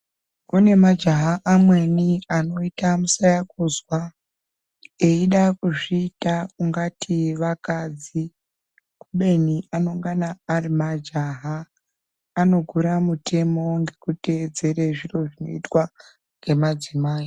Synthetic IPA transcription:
une̞mad͡ʒaɦaʔamwe̞niano̞itamusajakuzwa | e̞iɗakuʐiːtauŋɡatʰiʋakad͡zi | kuɓe̞niʔano̞ŋɡanaːrimad͡ʒaɦaː | no̞ɡʱuɾamutʰe̞mo̞ŋɡe̞kute̞ːd͡ze̞ɾeʐiro̞ʐino̞̰itwa | ŋɡe̞mad͡zimaːi

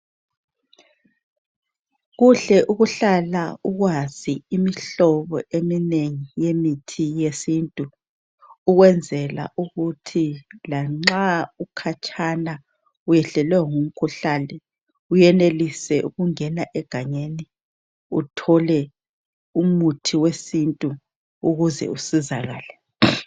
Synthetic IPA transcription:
ɣuɬɛʔuɣuɬalauɣwaz̥iːmiɬɔβɔ̰ʔemineŋijemitʰijesintʼuː | ɣwɛnd͡zʱɛla̰ʔuɣutʰilaŋ͡ǁaukʰat͡ʃʼʰana | ujɛɬɛlwɛŋum̩kʰuɬanɛ | ujɛnelisɛʔuɣuŋɛnaʔɛɡ̥ʱaɲeni | utʰɔlɛ | umutʰiwesintʼu | uɣuzɛ̰usizaɣa̰ːlɛ

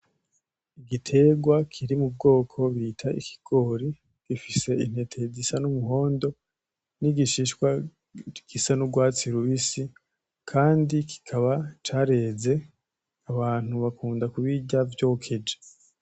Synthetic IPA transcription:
iɡitʰe̞ɡwakʰiɾimub̚ɡo̞ːkʰo̞βitʰaḭkʰi̥ɡ̥o̞ːɾi | ɡ̥ifise̞in̥he̞tʰe̞zisanumuɦo̞ːndo̞ | niɡiʃiʃkwa | ɡ̥isanuɡwaːt͡siɾuβisi | kʰaːndiki̥kʰaβat͡ʃaːɾe̞ːze̞ | aβaːn̥huβakuːndakuβiɟavjo̞ːkʰe̞d͡ʒe

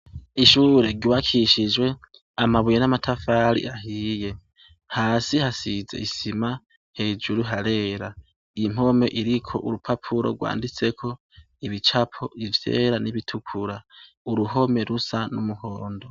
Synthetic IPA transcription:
iʃuːɾe̞ɡiwakʰiʃid͡ʒwe̞ | amaβujenamatʰafaɾḭʔahiːje̞ | haːsihasize̞̰isima | he̞ːd͡ʒuɾuɦaɾe̞ːɾa | im̥ho̞me̞ʔiɾikʰo̞ʔuɾupʰapʰuɾo̞̰ɡwa̰ːndit͡se̞kʰo̞ | iβit͡ʃapʰo̞ivje̞̰ːɾaniβitʰukʰuɾa | uɾuɦo̞me̞ɾusanumuhoːndo

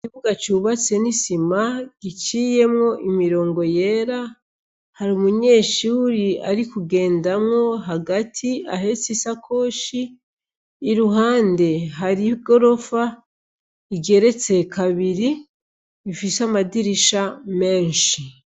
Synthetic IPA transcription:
ikiβuɡat͡ʃuːβat͡se̞nisimaɡ̥it͡ʃiːje̞mŋo̞ʔimiɾo̞ːŋɡo̞je̞ːɾa | haɾumuɲe̞ːʃuuɾia̰ɾikuɡe̞ːndamŋo̞ɦaɡatʰiaɦe̞t͡sisakʰo̞ːʃiː | ɾuhaːnde̞ɦaɾiɡo̞ɾo̞fa | iɡe̞ɾe̞t͡se̞kʰaβiɾi | ifisamadiɾiʃame̞ːnʃi

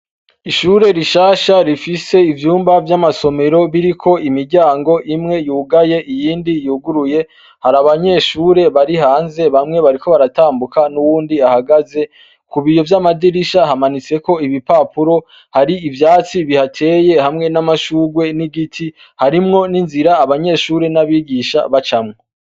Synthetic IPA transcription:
iʃuːɾe̞ɾiʃaːʃaɾifise̞ivjuːmbavjamaso̞me̞ɾo̞βiɾikʰo̞imiɾɟaːŋɡo̞ʔimŋe̞juːɡaje̞ʔijiːndijuːɡuɾuje̞ | haɾaβaɲe̞ʃuɾe̞βaɾihaːnze̞βamŋe̞βaɾiko̞βaɾataːmbukanuwuːndiahaɡaze̞ | kuβijo̞vjamadiɾiʃaɦamanit͡se̞ko̞iβipaːpuɾo̞ | haɾiivjaːt͡siβihatʰe̞ːje̞hamŋe̞namaʃuːɡwe̞niɡitʰi | haɾimŋo̞ninziɾaːβaɲe̞ʃuːɾe̞naβiːɡiʃa̰βat͡ʃamŋo

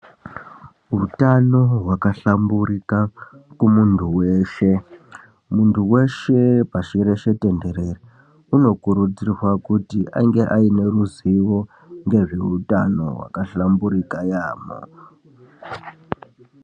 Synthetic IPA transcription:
ɦutano̞ɦwakaɬamburikakumuntʰuwe̞ːʃe̞ | muntʰuwe̞ʃe̞paʃiɾe̞ʃe̞te̞nde̞ɾeri | uno̞kuɾud͡zirwakutiʔa̰ŋɡe̞ʔaine̞ɾuziʋo̞ | ŋɡe̞ʐeutano̞̰wa̰kaɬambuɾikajaːmo̰

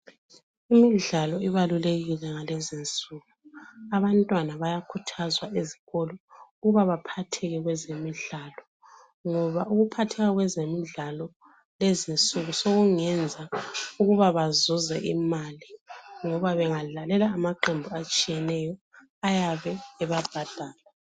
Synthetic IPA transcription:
imiɮalɔiβaluleɣilɛŋalɛzint͡sʼuɣuaβantʼwanaβajakʰutʰazwaʔeziɣɔlɔuɣuβaβapʰatʰɛɣɛɣwɛzemiɮalɔ | ŋɔβauɣupʰatʰɛɣaɣwɛzemiɮalɔ | lezint͡sʼuɣusoɣuŋɛnd͡zʱauɣuβaβazuzɛʔimaliŋɔβaβɛŋalalɛlaːmaǃembʱuat͡ʃʼijɛnɛjɔ | ajaβɛːβab̥ʱad̥ʱaːla

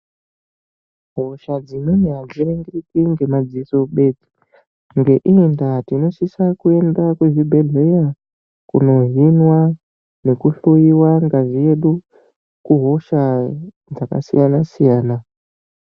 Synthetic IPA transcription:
ɦo̞ʃad͡zinuneɦad͡ziɾeŋɡeritiŋɡe̞mad͡ziso̞ɓe̞d͡zi̥ | ŋɡe̞ʔiendatino̞sisakue̞ndakweʐibʱeɮeja | kuno̞vinwa | ne̞kuɬojiwaŋɡaʐije̞ɗu | kuɦo̞ʃa | d͡zaka̰sḭjanasijaːna

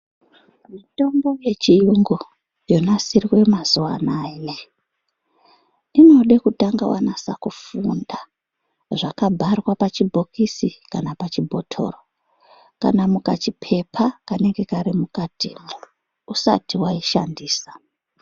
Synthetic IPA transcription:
mito̞mbo̞je̞t͡ʃijuŋɡo | jonasirwe̞mazuwa̰nane | ino̞ɗekutaŋɡawa̰nasa̰kufunda | ʐakabʱarwapat͡ʃibʱo̞kisikanapat͡ʃibʱo̞tʰo̞̰ro | ka̰namukat͡ʃipʰe̞pʰakane̞ŋɡe̞kaɾimukatḭ | usa̰tiwaiʃa̰ndiːsḁ

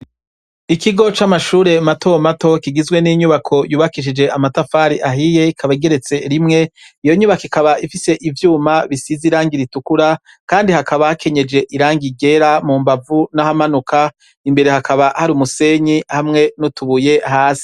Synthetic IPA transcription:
ikʰiɡo̞t͡ʃamaʃuːɾe̞matʰo̞mato̞kiɡizwe̞niɲuβakʰo̞juːβakiʃ̬id͡ʒe̞ʔamatafaːɾiʔaɦije̞ikʰaβaiɡe̞ɾe̞t͡se̞ɾimŋe̞ | ijo̞ɲuβakikaβaʔifise̞ʔivjuːmaβisiziɾaːŋɡiɾitukuɾa | kaːndihakʰaβahakʰe̞ɲe̞d͡ʒe̞ʔiɾaːŋɡiɡe̞ɾamuːmbavunahamanuka | imbe̞ɾe̞hakʰaβahaɾiːmuse̞ɲihamŋe̞nutuβuje̞ɦaːsi̥

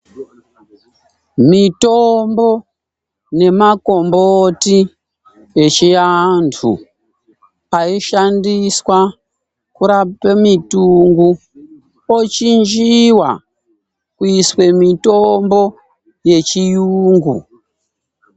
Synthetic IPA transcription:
mitombo̞ | ne̞mako̞mboti | et͡ʃijantʰṵ | aiʃandiswa | kuɾapemituŋɡu | ot͡ʃind͡ʒiwa̰ | kuiswe̞mitombo̞ | je̞t͡ʃijuːŋɡṵ

